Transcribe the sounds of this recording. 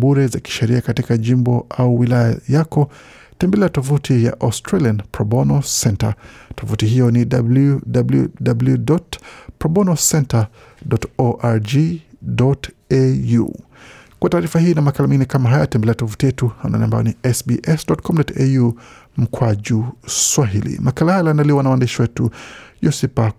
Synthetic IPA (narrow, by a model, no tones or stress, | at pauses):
buɾɛzaki̥ʃɛɾiakatikaʄimbɔʔauwilajajakɔ | tɛmbɛlɛatɔfutʰija̰ʔɔstɾalianpɾɔbɔnɔsɛnta̰tɔfutiɦijɔnidabludablṵdabuljudɔtpɾɔɓɔnɔsɛnta | dɔtɔʔaɾd͡ʒidɔt | ejṵ | kwataːɾifahiːnamakalamiŋɡinɛkamaɦajaatɛmbɛlɛjatɔfutijɛtuhana̰nia̰mbajɔniɛsbiʔɛsdɔtkʰɔmdɔtɛjum̩kwad͡ʒuswaɦilḭmakalahajlanaliwanawandiʃiwɛtujɔsipa